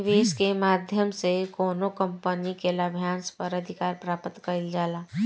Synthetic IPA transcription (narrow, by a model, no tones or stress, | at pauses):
ʋeːskemaːd̪ʱjəmsekoːnokə̃mpənikelabʱjaːnspəɾəd̪ʱɪkaːɾpɾaːpət̪kəɾild͡ʒaːlaː